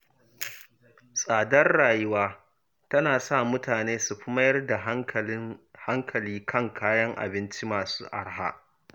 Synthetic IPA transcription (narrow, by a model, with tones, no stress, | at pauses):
sʼaː˨dɐ˦rɽaː˨jɪ˦waː˦ | tɐ˦naː˨sa˦˨mʊ˦taː˨neː˦su˨ɸʊ˦mɐ˦jɐ˦rda˨˦ | ha˦ŋkʰɐ˨liː˦kʰɐ˦˨ŋkʰaː˦jɐ˦ŋʔa̰˨bɪ˦nt͡ʃi˦maː˨sṵː˦ʔa˦ɽɦa̰˦ʔ